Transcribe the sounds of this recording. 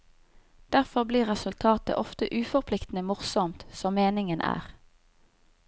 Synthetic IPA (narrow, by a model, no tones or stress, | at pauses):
d̪̥æʁfɔʁbliːʁɛsʉlt̪ʰɑːt̪ə̰ʔɔft̪əʔʉːfɔʁpʰlɪkt̪n̩əmʊʁsɔmt̪sɔmeːnɪŋənʔæ̰ːʁ